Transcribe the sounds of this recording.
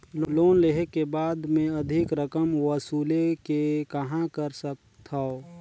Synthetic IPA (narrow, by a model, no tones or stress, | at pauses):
lloːnleɦekebaːd̪mẽɐd̪ʱɪkɾəkəmwəsuːlekekəɦãkəɾsək̚ | t̪ʰao